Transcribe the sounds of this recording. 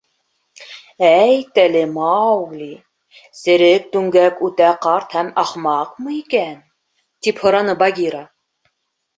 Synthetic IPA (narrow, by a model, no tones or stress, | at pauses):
æjt̪ælɘmɑwɡlʲi | sɘ̆ɾɘk̚t̪ʉŋɡækʉt̪æqɑɾt̪hæmɑχmɑqmɤ̆ikæn | t̪iphŏɾɑnɤbɑɡʲiɾɑ